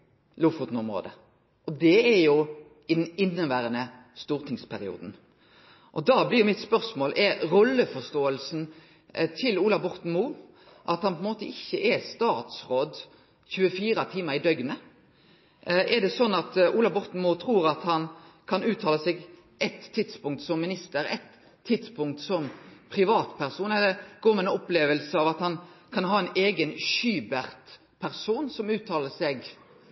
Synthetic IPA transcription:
lʊːfʊt̪n̩ɔmɾo̰ːd̪ə̰ | ʔɔd̪ɛɛɾjʊ | ɪd̪ɛnɪnːəʋæːɾənə | st̪uːʁt̪ʰɪŋspʰæɾɪṵːd̪n̩ | ʔɔd̪ɑblɪɾjʊmɪt̪spœʁsmoːlʔɛɾɾɔlːəfɔst̪oːəlsn̩ | t̪ʰɪluːlɑʋbɔɾt̪n̩muː | ʔɑt̪hɑnpʰɔɛnmoːt̪əɪçːəʔɛst̪ɑːt̪sʁoːd̪ | çʉːəfiːɾɑt̪ʰiːməɾɪd̪œɡnə | ʔɛd̪ɛsɔnːɑt̪uːlɑbɔɾt̪n̩mut̪ʰɾuːɾɑt̪hɑnkʰɑnʉːt̪ʰɑːləsɛɡ | ʔɛt̪ʰːɪd̪spʊŋt̪sɔmːɪnɪst̪əɾɛ̰t̪ʰː | ɪd̪spʊŋk̚t̪sɔmpʰʁɪʋɑːt̪pʰæɾsuːnɛlːəɡ̥oːmɛɛnɔpleːʋəlsəɑʋɑt̪hɑnkʰɑnɦɑːɛneːɡənʃyːbæɾt̪ | pʰæɾsuːnsɔmʉːt̪ʰːɑːləsɛɡ

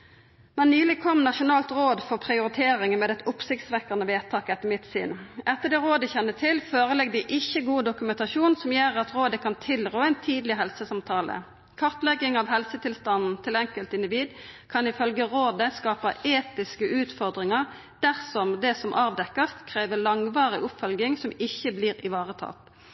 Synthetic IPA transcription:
mɛnːyːlɪkʰɔmːnɑʃʊnɑːlt̪ʁoːd̪fɔʁpʰʁɪʊɾɪt̪ʰeːɾɪŋəmeːd̪ɛt̪ʊpsɪkt̪sʋɛkɑnəʋeːt̪ʰɑːkɛt̪ːəmɪt̪sy̰ːnɛt̪ːəʁd̪ɛːʁoːd̪əçɛnːət̪ʰɪlføːʁəlɛɡd̪ɪʔɪçːəɡuːd̪ʊkʉmɛnt̪ɑʃuːnsɔmjeːʁɑt̪ʁoːd̪əkʰɑnt̪ʰɪlʁoːæɪnt̪ʰiːd̪lɪɦɛlsəsɑmt̪ʰɑːlə̰ | kʰɑʁt̪lɛɡɪŋɑʋɦɛlsət̪ʰɪlst̪ɑnn̩t̪ʰɪlɛŋkəlt̪ɪnd̪ɪʋiːd̪kʰɑnɪfœlɡəʁoːd̪əskɑːpɑeːt̪ɪskəʔʉːt̪fɔʁd̪ʁɪŋɑʁ | d̪̥æʁsɔmd̪ɛsɔmʔɑːʋd̪ɛkːəst̪kʰʁeːʋəlɑŋʋɑːʁɪʔʊpfœlɡɪŋsɔmɪçːəbliːʁɪʋɑːʁət̪ʰɑ̰ːt̪

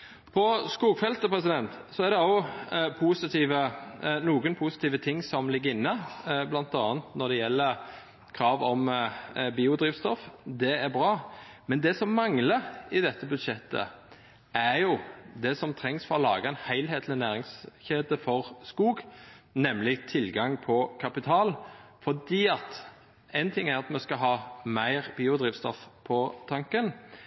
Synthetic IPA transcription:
pʰɔskuːɡfɛlt̪əpʰʁɛsɪd̪ɛnt̪sɔæɾd̪ɛɑpʰusɪt̪ʰiːʋənuːɡənpʰusɪ̥t̪iːʋət̪ʰɪŋːsɔmlɪɡːəɾɪnːəblɑnt̪ɑːənt̪nɔd̪ɛjɛlːəɾ | kʰɾɑːʋɔmbiːʊd̪ɾiːʋst̪ɔfd̪ɛæbʁɑːmɛnd̪ɛsɔmːɑŋləɾɪd̪ɛt̪ːəbʉd̪ʂɛt̪ʰːə̰ | ʔæɾjʊd̪ɛsɔmt̪ʰɾɛŋsfɔʁɔlɑːɡəɛnhæɪlɦeːt̪ʰlɪnæːʁɪŋsçeːd̪əfɔʁskuːɡnɛmlɪt̪ʰɪlɡɑŋpʰɔkʰɑpɪt̪ʰɑːlfɔd̪iːɑt̪ | æɪnt̪ʰɪŋːæʁɑt̪mɛskɑɦɑːmæɪʁbiːʊd̪ʁiːʋst̪ɔ̰fpʰɔt̪ʰɑŋkən

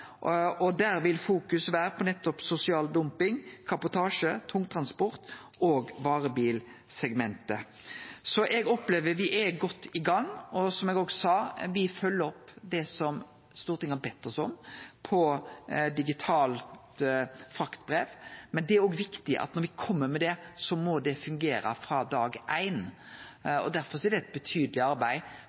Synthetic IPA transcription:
ɔd̪æːɾʋɪlfuːkʉsʋæːɾəpʰɔnɛt̪ːɔpsʊsɪɑːld̪ʊmpɪŋkʰɑbʊt̪ʰɑːʂət̪ʰʊŋt̪ʰɾɑnspɔɾt̪ | oːɡʋɑːɾəbiːlsɛɡmɛnt̪ə | sɔʔɛɡɔpleːʋəɾʋɪʔæɡɔt̪ːɪɡɑŋɔsɔmɛɡoːɡsɑːʋɪfœlːəɔpːd̪ɛsɔm | st̪uːɾət̪ɪŋːɑbɛt̪ːɔsɔmpʰɔd̪ɪɡɪt̪ʰɑːlt̪fɾɑkt̪bɾeːʋmɛnd̪ɛæɾoːɡʋɪkt̪ɪʔɑ̰t̪nɔɾʋɪkʰɔmːəmɛd̪ɛsɔmɔd̪ɛfʉŋɡeːɾə̰fɾɑːd̪ɑːɡʔæɪn | ɔ̰d̪æɾfɔɾsɔæɾd̪ɛɛt̪̚bət̪ʰyːd̪əlɪɑɾbæɪ

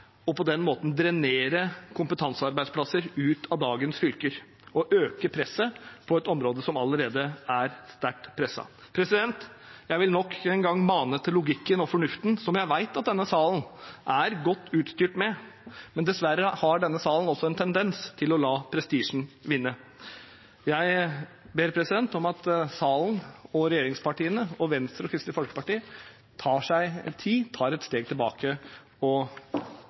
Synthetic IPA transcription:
ɔpɔd̪ɛnmoːt̪n̩d̪ɾɛneːɾəkʰʊmpət̪ʰɑnsəɑɾbæɪd̪splɑsəɾʉːt̪ʰɑʋd̪ɑːɡənsfʏlkəɾ | ɔʔøːkəpʰɾɛsːəpʰɔɛt̪ɔmɾoːd̪əsɔmɑləɾeːd̪əæɾst̪æʈːpʰɾɛsːɑ̰ | pʰɾɛsɪd̪ɛnt̪jæɪʋɪlnɔkːɛnɡɑŋːmɑːnət̪ʰːɪlːʊɡɪkːənɔfɔɳʉft̪n̩sɔmjæɪʋæɪt̪ɑt̪̚d̪ɛnːəsɑːln̩ʔæɾɡɔt̪ːʉːt̪st̪yːʈmɛ | mɛnd̪ɛsʋæɾəhɑɖɛnːəsɑːln̩ɔsɔɛnt̪ʰɛnd̪ɛnst̪ʰɪlɔlɑːpʰɾɛst̪iːʂɳ̩ʋɪnːə | jæɪ | beːɾpʰɾɛsɪd̪ɛnt̪ɔmɑt̪sɑːln̩ɔɾɛjeːɾɪŋspʰɑʈiːənəɔʋɛnst̪ɾɔkʰɾɪst̪ɪfɔlkə̥pɑʈiːə | t̪ʰɑːʂæɪt̪ʰɪlt̪ʰɑːɾɛt̪st̪eːɡ̚t̪ɪlbɑ̰ːkʰə | ɔ

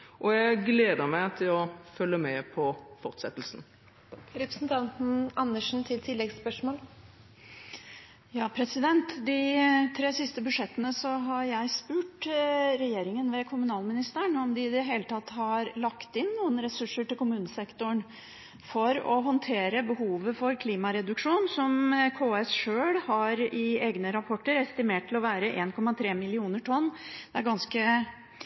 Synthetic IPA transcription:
ʔɔjæɪɡleːd̪əɾmæɪt̪ʰɪlɔfœlːəmɛpʰɔfɔʁt̪sɛt̪ːəlsn | ɾɛpɾəsn̩t̪ʰɑnt̪n̩ɑnːəʂn̩t̪ʰɪlt̪ʰɪlːɛɡspœʂmoːl | jɑːpʰɾɛsɪd̪ɛnt̪d̪ɪt̪ʰɾeːsɪst̪əbʉʂɛt̪ːənəsɔɦɑɾjæɪspʉːʈɾɛjeːɾɪŋənʋɛkʰʊmʉnɑːlmɪnɪst̪əɳɔmd̪ɪɪd̪ɛɦeːlət̪ʰɑt̪ːhɑɾlɑkt̪ɪnːuːənɾɛsʉʂːəʈɪlkʰʊmʉːnəsɛkt̪ʊɳ | fɔɾɔ̰ɦɔnt̪ʰeːɾəbəɦuːʋəfɔɾkʰliːmɑɾɛd̪ʉkʂuːnsɔmkʰoːɛsʂøːɽhɑɾɪeːɡnəɾɑpʰɔʈːəɾɛst̪ɪmeːʈʈʰːɪlɔʋæːɾəʔeːnkʰɔmːɑt̪ʰɾeːmɪlɪuːnəʈʰɔnːd̪ɛæɾɡɑnskə

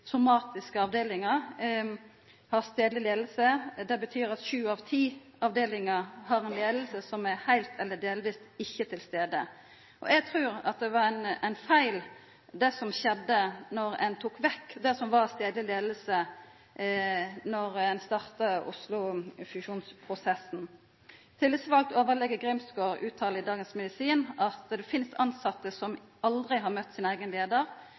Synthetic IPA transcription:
sʊmɑːt̪ɪskəɑʋd̪eːlɪŋəʁ | hɑʁst̪eːd̪lɪleːd̪l̩səd̪ɛbət̪ʰyːɾɑt̪ʃʉːɑʋt̪ʰiː | ɑʋd̪eːlɪŋəɾhɑʁɛnleːd̪l̩səsɔmæhæɪlt̪ʰɛlːəd̪eːlʋiːst̪ɪçːət̪ʰɪlst̪eːd̪ə̰ | ʔɔ̰ʔɛɡ̚t̪ʰʁʉːɾɑ̰t̪̚d̪ɛʋɑɾænæɪnfæɪl | d̪ɛsɔmɕɛd̪ːənɔʁɛ̰nt̪ʰuːkʋɛkːd̪ɛsɔmʋɑʁst̪eːd̪lɪleːd̪l̩sə | nɔʁɛnst̪ɑʁt̪əʊ̰slʊfʉʃuːnspʰʁʊsɛsn̩ | t̪ʰɪlʋisʋɑlt̪oːʋəʁlɛɡəɡʁɪmsɡoːʁʉːt̪ʰːɑːləɪd̪ɑːɡənsmɛd̪ɪsiːnɑt̪d̪ɛfɪnst̪ɑnsɑt̪ːəsɔm | ɑld̪ʁɪɦɑʁmœt̪ːsɪnæɪɡənleːd̪əʁ

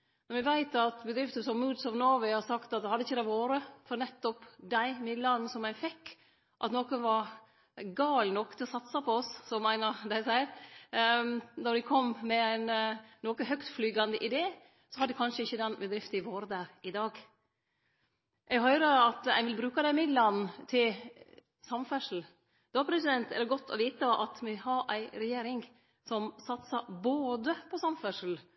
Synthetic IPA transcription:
nɛɾmɛʋæɪt̪ɑt̪bəd̪ɾɪft̪əsɔmːuːd̪sɔʋnoʋæhɑɾsɑkt̪ɑt̪̚d̪ɛhɑd̪əɪçːəd̪æɪʋoːɾəfɔɾnɛt̪ːɔpd̪æɪmɪd̪lɑnsɔmæɪfɛkː | ʔɑt̪noːkənʋɑɾ | ɡɑːlnɔkːt̪ʰɪlɔsɑt̪sɑpʰɔɔssɔmːæɪnəɾd̪æɪsæɪəɾ | nɔɾd̪ɪkʰɔmːmɛæɪnːoːkəɦœkt̪flyːɡɑnd̪əʔɪd̪eː | sɔhɑd̪ɛkʰɑnʂəɪçːəd̪ɛnbɛd̪ɾɪft̪ɪʋoːɾd̪æɾɪd̪ɑːɡ | ʔɛɡɦœʏɾəɾɑt̪æ̰ɪʋɪlbɾʉːkɑd̪æɪmɪd̪lɑnt̪ʰɪl | sɑmfæʂl̩ | d̪̥oːpʰɾɛsɪd̪ɛnt̪ɛ̰ləɾɡɔt̪ʰːɔ̰ʋiːt̪əʔɑ̰t̪mɪhɑɾʔæɪɾɛjeːɾɪŋ | sɔmsɑt̪səboːd̪əpʰɔsɑmfœʂl̩

